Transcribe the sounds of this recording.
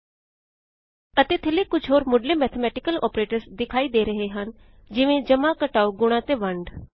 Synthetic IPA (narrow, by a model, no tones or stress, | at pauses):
ət̪eːt̪ʰəleːkʊt͡ʃʰɦoːɾmʊɖleːmɛːt̪ʰəmɛːʈɪkəlɔ̰ːpɾeːʈəɾsd̪ɪkʰaːiːd̪eːɾəɦeːɦən | d͡ʒɪʋẽːd͡ʒəmãːkəʈaːoːɡʊɽ̃ãːt̪eːʋəɳɖ